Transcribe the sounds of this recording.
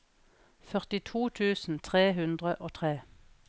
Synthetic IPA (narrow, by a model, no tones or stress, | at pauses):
fœʁt̪ɪt̪ʰuːt̪ʰʉːsn̩t̪ʰʁeːɦʉnd̪ʁəʔoːt̪ʰʁeː